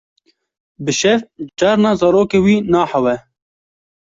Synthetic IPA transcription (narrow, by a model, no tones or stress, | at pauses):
bɨʃɛvd͡ʒɑːɾnɑːzɑːɾoːkeːwiːnɑːħɛwɛ